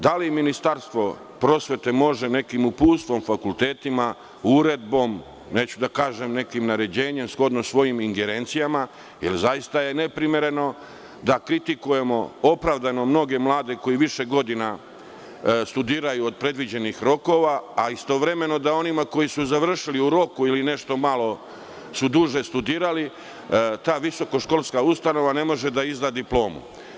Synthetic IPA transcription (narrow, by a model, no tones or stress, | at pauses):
d̪aliminist̪aɾst̪ʋo̞ | pɾo̞ːsʋe̞t̪e̞mo̞ʒe̞ne̞kimupuːst̪ʋo̞mfakulˠt̪e̞ːt̪ima | uɾe̞d̪̚bo̞m | ne̞ːt͡ɕud̪akaːʒe̞mne̞kimnaɾe̞d͡ʑe̞ːɲe̞msklod̪nosʋo̞jimiŋɡe̞ɾe̞ːnt̪sijama | jḛlzajist̪aje̞ne̞pɾimje̞ɾe̞no̞ | d̪akɾit̪ikuje̞mo̞o̞pɾaʋd̪ano̞mno̞ɡe̞mlˠaːd̪e̞ko̞jiʋiʃe̞ɡo̞d̪ina | st̪ud̪iːɾajuod̪̚pɾe̞d̪ʋid͡ʑe̞nixɾo̞ko̞ʋaːist̪o̞ʋɾe̞me̞no̞d̪ao̞nimako̞jisuzaʋr̩ʃiliuɾo̞kuiline̞ʃt̪o̞malo̞ | sud̪uʒe̞st̪ud̪iːɾali | t̪aːʋiso̞ko̞ʃko̞lˠskaust̪ano̞ʋane̞mo̞ʒe̞d̪aizd̪ad̪iplo̞ːmṵ